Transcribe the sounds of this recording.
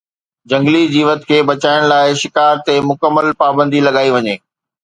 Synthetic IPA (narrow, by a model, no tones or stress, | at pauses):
d͡ʑɐ̃ŋɡlid͡ʑiːʋət̪kʰeːɓɐt͡ɕaːɪɽ̃laːɪʃɪkaːɾt̪emʊkəmːəlpaːbə̃nd̪ilɐɠaːiʋɐɲeː